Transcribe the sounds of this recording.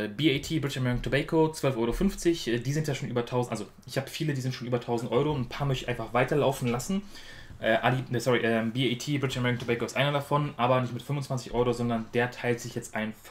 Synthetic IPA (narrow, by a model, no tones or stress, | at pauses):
ɛbiːeɪtʰiːbʁɪtɪʃamɛʁɪkn̩tʰubɛkʰot͡sv̥œlfʔɔʏʁofʏnft͡sɪçʔɛːdiːzɪntjaʃoːnʔyːbɐtʰaʊznʔalzo | ʔɪçhaːbəfiːlədiːzɪntʃoːnʔyːbɐtʰaʊzn̩tʔɔʏʁonn̩pʰaːɐmœçtɪçʔaɪnfaχv̥aɪtɐlaʊfn̩lasn̩ | ʔɛːʔalisɔʁiʔɛːmbiːetʰiːbʁɪtɪʃamɛʁɪkn̩tʰubɛɪkoɪstʔaɪnɐɾafɔnʔaːbɐnɪçtmɪtfʏmvʊnt͡sv̥ant͡sɪçʔɔʏʁozɔndɐndeːɐtʰaɪltz̥ɪçjɛt͡stʔa̰ɪnf